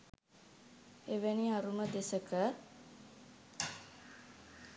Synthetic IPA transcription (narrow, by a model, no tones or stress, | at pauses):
eʋeniaɾuməd̪esəkə